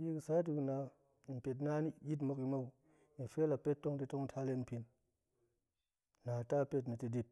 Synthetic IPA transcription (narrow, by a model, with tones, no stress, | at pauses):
ji˦kɨ˧˨sa˦t̬i˧kna˧˨ | n̩˨pe˨t̬na˦ni˦jʲi˦t̬mo˧ki˧mo˦w | ni˨fe˦la˨pe˦tːo˦ŋti˧to˦ŋ̩˦tʰa˧le˦˧npi˧n | na˨ta˦˨pe˧t̬ni˨ti˧di˧p̚